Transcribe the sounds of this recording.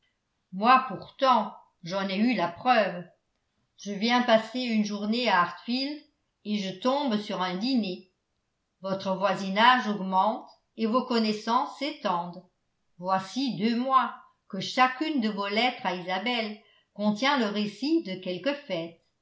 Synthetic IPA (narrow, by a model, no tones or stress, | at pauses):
mwapuʁt̪ɑ̃ | ʒɑ̃nɛylapχœv | ʒəvjɛ̃paseynʒuʁneaːʁt̪fild̪ | eʒət̪ɔ̃bsyʁɛ̃d̪ine | vɔt̪χəvwazinaʒɔɡmɑ̃t̪ | evokɔnɛsɑ̃sːet̪ɑ̃d̪ | vwasid̪ømwa | kəʃakʲynd̪əvolɛt̪χaizabɛl | kɔ̃t̪jɛ̃ləʁesid̪əkʲɛlkəfɛt̪